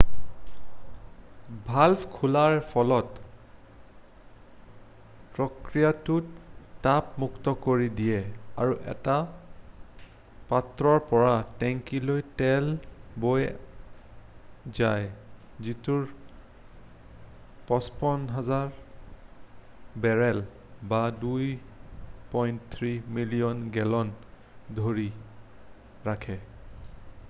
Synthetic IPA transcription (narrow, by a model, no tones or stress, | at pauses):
bʱalpʰkʰulaɹpʰɔlɔt | pɹɔkɹijatuttapmuktɔkoɹidijɛa̰ɹuʔɛ̰ta | patɹɔɹpɔɹatɛŋkilojtɛlboj | zaj | zituɹ | pɔspɔnɦazaɹ | bɛɹɛl | baduj | pɔjntt̪ʰɹimilijɔnɡɛlɔn | dʱoɹi | ɹakʰɛ